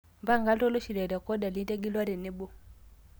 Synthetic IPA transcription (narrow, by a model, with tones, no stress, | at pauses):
mba˦˨ŋɡa˦lɔ˦lɔ˦ʃi˨lɛ˨ɾa˨kɔ˦da˨li˦da˦ɡi˦lwa˦ɾɛ˨ni˦bo˦